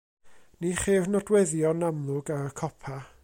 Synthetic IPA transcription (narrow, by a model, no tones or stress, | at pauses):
niχernɔdwɛðjɔnamlˠʊɡaɾəkʰɔpʰa